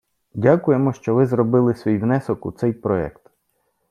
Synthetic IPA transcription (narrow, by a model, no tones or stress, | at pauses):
dʲakʊjemɔʃt͡ʃɔʋɪzɾɔbɪlˠɪsʲʋʲijwnɛsɔkṵt̪sɛjpɾɔɛ̰kt̪